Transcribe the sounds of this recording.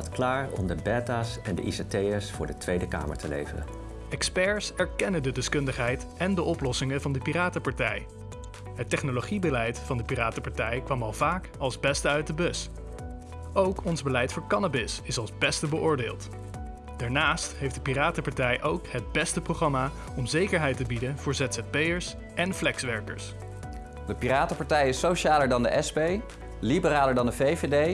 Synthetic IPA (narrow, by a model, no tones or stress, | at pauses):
ɑtklaːɹɔ̰mdəbɛtasɛndə̰ʔisatejəsfʊːɹdətʋejdəka̰ːmə̰ɹtəlḛjvərə̰n | ɛkspɛɹsɛɹkɛnədədɛskɵndəχɦɛjt | ɛndəʔɔplɔsɪŋəvɑndəpiraːtəpɑɹtɛ̰j | ɦətɛχnoloχibəlɛjtfɑndəpiraːtəpɑɹtɛjkʋɑmɑlˠvaːk | ɑlˠzbɛstəœɥt̚dəbɵs | ʔowkɔnzbəlɛjtfʊːɹkɑnabɪsɪsɑlˠzbɛstəbəʔʊːɹdeːlˠt | d̥aːɹnaːstɦejfdəpiraːtəpɑɹtɛjʔowkɦəd̚bɛstəproχrɑma | ɔmzejkəɹɦɛjtəbidənv̥ʊːɹzɛtsɛt̚pejəɹs | ʔɛnflɛksʋɛɹkə̰ɹs | dəpiɾaːtəpɑɹtɛjɪsowʃaːləɹdɑndə̰ʔɛspej | libəɾaːləɹdɑndəvevedej